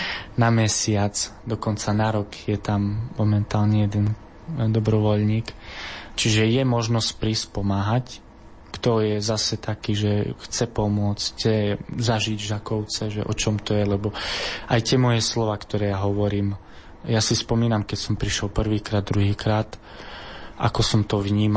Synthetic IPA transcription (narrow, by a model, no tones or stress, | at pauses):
namɛsɪat͡sd̪ɔkɔnt͡sanaɾɔkjɛt̪ammɔmɛnt̪aːlɲɛjɛd̪ɛn | d̪ɔbɾɔʋɔʎɲiːkt͡ʃiʒɛjɛmɔʒnɔsc̚pɾispɔmaːɦac | kt̪ɔjɛzasɛt̪akiːʒɛxt͡sɛpɔmʊɔt͡scɛzaʒiɟʒakɔʊt͡sɛʒɛʔɔt͡ʃɔmt̪ɔjɛlɛbɔʔajt̪ɪɛmɔjɛslɔʋaːkt̪ɔɾɛːjaɦɔʋɔɾiːm | jasispɔmiːnamkɛcsɔmpɾiʃɛlpr̩ʋiːkɾaːd̪ːɾuɦiːkɾaːt̪ | ʔa̰kɔsɔmt̪ɔʋɲiːm